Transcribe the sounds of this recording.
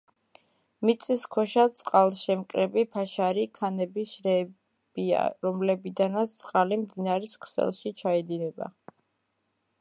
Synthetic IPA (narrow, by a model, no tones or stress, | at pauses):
mit̪sʼiskʰwɛʃat̪sʼqʼalˠʃɛmkʼɾɛbipʰaʃaɾikʰanɛbiʃɾɛ | b̥ia̰ɾɔmlɛbid̪anat̪sʰtsʼqʼalimd̪inaɾiskʰsɛ̰lˠʃit͡ʃʰaɛd̪inɛba̰